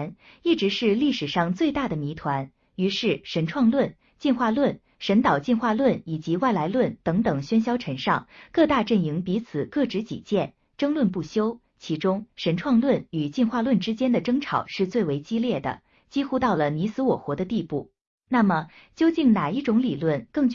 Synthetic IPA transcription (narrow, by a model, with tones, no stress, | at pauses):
n | i˥˩ʈ͡ʂɻ̩˧˥ʂɻ̩˥˧li˥˩ʂɻ̩˨˩ʂɑ˥˧ŋt͡swe˥˧ɪt̪a˥˩d̪ə˩mi˧˥t̪ʰwa˧˥n | y˧˥ʂɻ̩˥˩ʂə˧˥nʈ͡ʂʰwɑ˥˧ŋlwə˥˩n | t͡ɕi˥˧nxwa˥˧lwə˥˩n | ʂə˧˥nt̪ɑ˨˩ʊt͡ɕi˥˧nxwa˥˧lwə˥˩ni˨˩t͡ɕi˧˥wa˥˩ɪla˧˥ɪlwə˥˩nt̪ɤ˧˥ŋt̪ɤ˨˩ŋɕɥɛ˥nɕ̬jɑ˥ʊʈ͡ʂʰɤ˧˥ŋʂɑ˥˧ŋkɤ˥˧t̪a˥˧ʈ͡ʂə˥˩ni˧˥ŋpi˧˥t͡sʰɹ̩˨˩kɤ˥˩ʈ͡ʂɻ̩˧˥t͡ɕḭ˨˩t͡ɕjɛ˥˩n | ʈ͡ʂɤ˥ŋlwə˥˧npu˥˩ɕjo˥ʊ | t͡ɕʰi˧˥ʈ͡ʂʊ˥ŋʂə˧˥nʈ͡ʂʰwɑ˥˧ŋlwə˥˩ny˨˩t͡ɕi˥˧nxwa˥˧lwə˥˩nʈ͡ʂɻ̩˥t͡ɕjɛ˥nd̪ə˨ʈ͡ʂɤ˥ŋʈ͡ʂʰɑ˨˩ʊʂɻ̩˥˧t͡swe˥˩ɪwe˧˥ɪt͡ɕi˥ljɛ˥˩d̪ə̰˩ | t͡ɕi˥xu˥t̪ɑ˥˩ʊlə˩ni˧˥sɹ̩˧˥wɔ˨˩xwɔ˧˥d̪ə˧t̪i˥˧pu˥˩ | na˥˩mə˩ | t͡ɕjo˥ʊt͡ɕi˥˩ŋna˨˩i˥˩ʈ͡ʂʊ˧˥ŋli˨˩lwə˥˩nkɤ˥˧ŋt͡ɕ